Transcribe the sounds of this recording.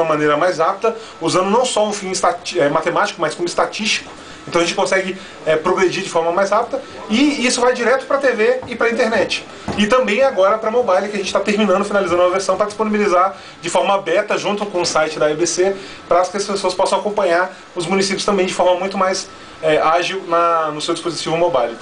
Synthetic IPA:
mɐmɐ̃neɾɐmajzap̚d̪ɐ | uzɐ̃nd̪ʊnɐ̃w̃sɔʊfĩɪst̪at͡ʃɛmat̪emat͡ʃi̥kʊmaskõmʊɪst̪at͡ʃist͡ʃi̥kʊ̥ | ẽt̪ɐ̃ɐʒẽt͡ʃɪkõsɛɡɪ | ɛpɾoɡɾed͡ʒiɾd͡ʒɪfɔɾmɐmajzap̚d̪ɐ | ɪisʊvajd͡ʒiɾɛt̪ʊ̥pɾɐt̪eveɪpɾɐĩt̪eɾnɛt͡ʃɪ̥ | ɪt̪ɐ̃mbẽj̃ɛaɡɔɾɐpɾɐmobajlɪkʲɪɐʒẽt͡ʃɪ̥t̪at̪eɾminɐ̃nd̪ʊfinalizɐ̃d̪umɐveɾsɐ̃w̃pɾɐd͡ʒi̥sponibilizaɾ | d͡ʒɪfɔɾmɐabɛɾt̪ɐʒũt̪ʊkõʊsajt͡ʃɪd̪ɐbese | pɾaskɪɐspesoɐspɔsɐ̃w̃akõmpɐ̃ɲaɾ | ʊzmũnisipjʊst̪ɐ̃mbẽj̃d͡ʒɪfɔɾmɐmũj̃t̪ʊmajs | ɛaʒiwnɐnʊsewd͡ʒi̥spozit͡ʃivʊmobajlɪ

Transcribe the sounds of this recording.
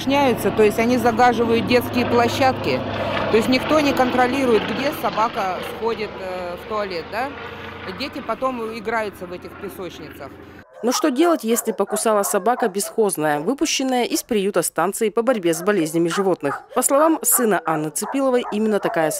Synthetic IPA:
ʂnʲæjʊt̪sət̪o̞jɪsʲtʲɐnʲizɐɡaʐɨvəjʊt̪̚dʲe̞t̪skʲɪjəplˠɐɕːat̪kʲɪt̪oɪsʲtʲnʲɪkt̪o̞nʲɪkənt̪ɾɐlʲiɾʊjɪt̪ɡdʲesɐbakəsxodʲɪt̪st̪oɐlʲet̪̚d̪adʲetʲɪpɐt̪o̞mɪɡɾajʊt̪səvɛtʲɪxpʲɪsot͡ɕnʲɪt̪səx | noʂt̪odʲelˠətʲjesʲlʲɪpəkʊsalˠəsɐbakəbʲɪsxoznəjəvɨpʊɕːɪnːəjəʔɪspɾʲɪjut̪ɐst̪ant̪sɨɪpəbɐɾʲbʲe̞zbɐlʲezʲnʲəmʲɪʐɨvo̞t̪nɨxpəslˠɐvamsɨnəʔanːət̪sɨpʲilˠəvəjʔimʲɪnːət̪ɐkajə

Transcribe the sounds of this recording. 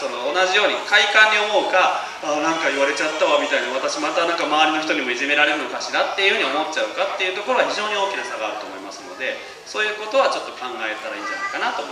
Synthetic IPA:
sono̞ːnaʑijo̞ːɲ̟ikaikãɲ̟ːio̞mo̞ɯka | anãŋkaiβaɾe̞t͡ɕat̪ːaβamʲit̪aiɲʲiβat̪aɕimat̪anãŋkamaβaɾʲino̞çi̥t̪o̞ɲ̟imo̞iʑime̞ɾaɾe̞ɾɯno̞kaɕiɾat̪ːejɯ̟hɯ̟ɲ̟io̞mo̞tːt͡ɕaɯ̟kat̪ːe̞jɯ̟ːt̪o̞ko̞ɾo̞ɡaçiʑo̞ːɲ̟io̞ːkʲinasaɡaːɾɯ̟t̪oːmo̞ima̰sɨno̞̰d̪e̞ | so̞ːjɯ̟ːko̞t̪o̞βat͡ɕo̞t̪ːo̞kãŋɡae̞t̪aɾaḭːɲ̟d͡ʑa̰na̰i̥kanat̪omo

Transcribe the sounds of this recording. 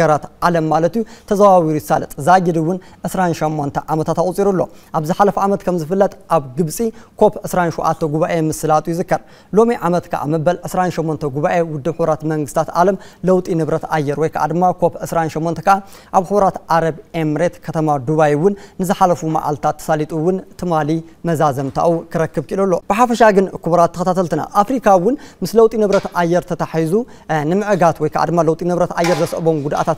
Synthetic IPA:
ɐɾat̪ʔalɐmːalɐt̪jut̪ʰɐzaβaβiɾujsalɐt̪ʼzaɡid̪iwʊnʕɨsɾanʃɐmːont̪ʰɐʕamɐt̪ʰat̪aχʼut͡sʼːiɾulːo̞̰ʔaβzɨħalɐfuamɐt̪kʰɐmzɨfɨlːɐt̪ʼʔaβɡɨβsʼikʰo̞pʕɨsɾanʃuʔa̰t̪ʰːɐɡuβaʔemɨsɨlat̪ʼujɪzɨkːɐɾ | lo̞miʔʕamɐt̪kʰɐ̰ʔa̰mɐbɐlʕɨsɾanʃomːont̪ʰɐɡuβaʔewʊd̪ːɨβħɨβɾat̪mɐŋɡɨst̪ʰat̪ʔa̰lɐmlɐwt̪ʼinɨβɾɐt̪ajːɛɾwɔjkʰɐʔa̰d̪ɨmːakʰo̞pʕɨsɾanʃɐmːont̪ʰɐ̥kɐʔa | ʔaβxɨβɐɾat̪ʕaɾɐβe̞mɾe̞t̪kʰɐt̪ʰɐmad̪uβajwʊnːɨzɨħalɐfuma̰ʔa̰lt̪ʰat̪ʰːɐ̥salit̪ʼuwʊnt̪ʰɨmalimɐzazɐmt̪ʰa̰ʔukʰɨɾɐkːɨβkʰɨʔilɐlːo̞b̥ɨħafɐʃaɡɨnkuβɐɾat̪ːɨɐkɐt̪ʰat̪ʰɐlt̪ɨna̰ʔafɾikʰawʊnmɨslɐwt̪ʼinɨβɾɐt̪ʔajːɛɾt̪ʰɐt̪ʰaħizu | nɨmɨʕɡat̪wɔjkʰɐ̰ʔa̰d̪ɨmːalɐwt̪ʼinɨβɾɐt̪ʔajːɛɾzɐsʔbo̞mɡud̪ʔa̰t̪ʰat̪

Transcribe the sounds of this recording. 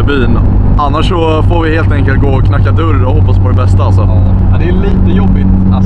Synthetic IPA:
byːn | ʔanːaʂːɔ | foːɾvɪheːlt̪ɛŋkəlt̪̚ɡoːkʰnakːad̪ɵɾɔhɔpːaspʰɔd̪ɛbɛst̪aalsɔ | ɛd̪ɛæɭiːt̪əjɔbːɪt̪

